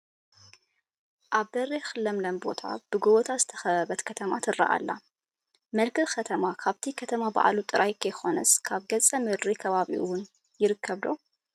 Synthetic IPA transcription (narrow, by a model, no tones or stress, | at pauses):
ʔaβd̪ɐrːexɨlːɐmlɐmbo̞̰t̪ʰa̰b̥ɨɡoβot̪ʰazɨt̪ʰɐ̥xɐβɐβɐt̪kʰɐt̪ʰɐmat̪ʰɨrːɐ̰ʔa̰lːa̰ | mɐlkɨkʰɐt̪ʰɐmakʰaβt̪ʰikʰɐt̪ʰɐmaba̰ʔlut̪ʼɨɾʔajkʰɐjxo̞nɐskʰaβɡɐt͡sʼɐmɨɾɾikʰɐβaβḭʔuwʊn | jɪɾɨkʰːɐβd̪o̞